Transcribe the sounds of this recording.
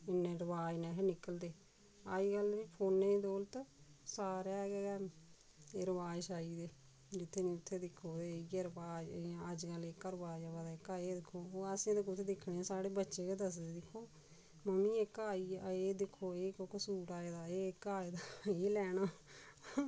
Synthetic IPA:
ɪnẽːɾəʋaːd͡ʒnɛ̃ːɦnɪkəld̪eː | aːiːɡəliːpʰoːnːẽːd̪oːlt̪saːɾaːɡɛɡɛː | eːɾəʋaːʃaːiːd̪eː | d͡ʒɪt̪ʰːeːnĩːʊt̪ʰːeːd̪ɪkʰːoːd̪eieːɾəbaːd͡ʒəd͡ʒkəlɪkəɾʋaːʃaʋaːd̪aːɪkaːeːd̪ɪkʰːoːoːəsẽːd̪ekʊt̪ʰːeːd̪ɪkʰːɽẽːsaːɽeːbətːʃeːkeːd̪əsd̪eːd̪ɪkʰːoː | məmĩːɪkaːiːeːd̪ɪkʰːoːeːkoksuːʈaːeːd̪aːeːɪkaːeːd̪aːeːlɛːɽ̃aː

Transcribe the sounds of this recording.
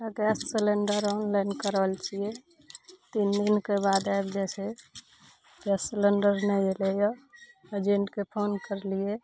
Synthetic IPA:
əɡɛsʈseleɳɖəɾɔnlainkəɾəlt͡ʃʰije | t̪ind̪inkebad̪ajbd͡ʒɛse | ɡɛsseleɳɖəɾnɛelejɔed͡ʒẽɳʈkepʰonkəɾlije

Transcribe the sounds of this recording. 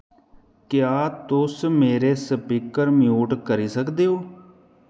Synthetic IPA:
kjaːt̪ʊsmeːɾeːsəpikəɾmjuːʈkəɾiːsəkd̪eːoː

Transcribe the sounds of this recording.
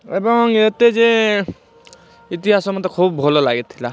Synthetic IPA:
ebɔŋet̪ed͡ʒe | it̪iɦasɔmɔt̪ɔkʰubbʱɔlɔlaɡet̪ʰːila

